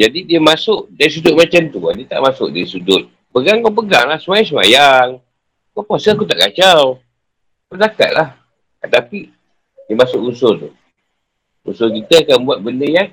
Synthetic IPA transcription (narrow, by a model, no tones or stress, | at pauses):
d͡ʒadidiəmasʊʔdaɾis̬udʊt̪̚mat͡ʃamt̪ua̰diət̪a̰ʔmasʊ̰k̚daɾisudʊt̪̚ | pəɡaŋkapəɡa̰ŋlahsəmajaŋs̬əma̰jaŋ | kapuasəakut̪aʔkat͡ʃaw | bədaka̰t̪̚lah | ət̪api | diəmasʊʔusot̪u | ṵsok̬it̪əkabuat̪̚bəndəjaŋ